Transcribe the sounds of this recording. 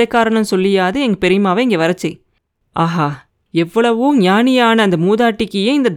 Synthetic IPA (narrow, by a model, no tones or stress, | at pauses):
ɐkːaːɾɐɳɐmsɔlːɪjaːðɯɛŋɡɐpɛɾɪmaːʋɐɪŋɡeːʋɐɾɐt͡ʃːɯ | ʔaːɦaː | ɛʋːɐɭɐʋɯɲaːnɪjaːnɐːnd̪ɐmuːðaːʈːɪkːɯjeːɪnd̪ɐd̪